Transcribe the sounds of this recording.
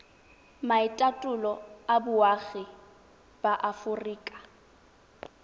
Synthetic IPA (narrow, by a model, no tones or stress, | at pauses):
maɪtʼatʼʊlɔabʊwaɣɪ | b̥aʔafʊriːkʼḁ